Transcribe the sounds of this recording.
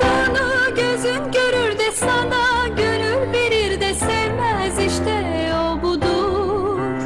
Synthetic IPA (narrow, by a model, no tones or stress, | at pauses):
bonuɟø̞zynɟø̞ɾyɾd̪ɛsanaɟøɾyɾbeɾiɾd̪ɛsɛvmæziʃt̪ʰɛ | obud̪u